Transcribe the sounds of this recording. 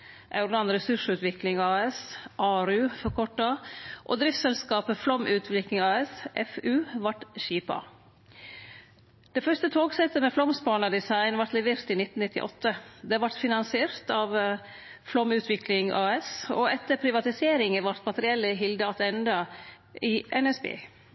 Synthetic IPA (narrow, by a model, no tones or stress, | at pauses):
ʔɑʉɾd̪ɑnɾɛsʉʂʉːt̪ʋɪklɪŋɑːɛsʔɑːɾʉːfɔɾkʰɔʈːɑʔo̰ːd̪ɾɪft̪sɛlskɑːpəflɔmʔʉːt̪ʰʋɪklɪŋɑːɛsʔɛfʉːʋɑʈʃiːpɑ̰ | d̪̥ɛfœʂst̪ət̪ʰoːɡsɛt̪ːəmɛːflɔmspɑːɳɑd̪ɪsɑɪnʋɑɾt̪lɛʋeːɾt̪iːnɪt̪ːn̩nɪt̪ːɪ̰ʔɔ̰t̪ːəd̪ɛʋɑʈ̪fɪnɑnsɪeːɾt̪ɑːʋ | flɔmʉːt̪ʰʋɪklɪŋʔɑːɛsɔɛt̪ːəɾpʰɾɪʋɑt̪ɪseːɾɪŋəʋɑɾt̪mɑt̪əɾɪɛlːəɦɪld̪əɑt̪ɛnd̪ɑ | ɪʔɛnɛsbḛː